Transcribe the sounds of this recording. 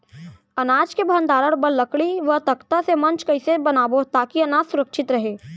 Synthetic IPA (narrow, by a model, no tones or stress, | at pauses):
ɐnaːd͡ʒkebʱənd̪aːɾəɽbəlːəkɽiʋət̪ɐkt̪asemɐ̃nt͡ʃkɐɪsebɐnaːbot̪aːkiɐnaːd͡ʒsʊɾəkʃɪt̪ɾɐɦeː